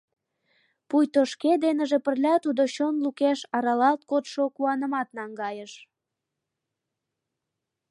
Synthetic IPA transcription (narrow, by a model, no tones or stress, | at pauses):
pujt̪oʃked̪enəʒĕpərlʲɑt̪ud̪oɕonlukeʃɑɾɑlɑlt̪̚kot̪ʃokuɑnəmɑt̪nɑŋɡɑjəʃ